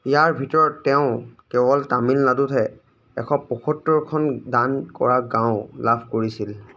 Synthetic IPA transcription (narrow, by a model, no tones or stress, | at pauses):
ijaɹbʱitɔɹɔtːɛʊ̃kɛbɔltamilnadutʰɛ | ɛ̰kʰɔpːɔkʰɔtːɔɹkʰɔndankɔ̰ɹaɡãʊ̃labʱkoɹisil